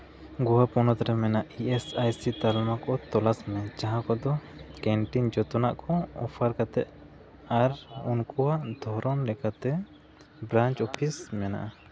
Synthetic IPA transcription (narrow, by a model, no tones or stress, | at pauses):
ɡɔwapɔnɔt̪ɾɛmɛnaʔiɛsajsit̪almakɔt̪ɔlasmɛt͡ʃaɦakɔd̪ɔkɛɳʈind͡ʒɔt̪ɔnaʔkɔɔ̰pʰaɾkat̪ɛʔ̪ | aɾunkɔwaʔd̪ʱɔɾɔnlɛkat̪ɛ | bɾant͡ʃɔpʰismɛna̰ʔa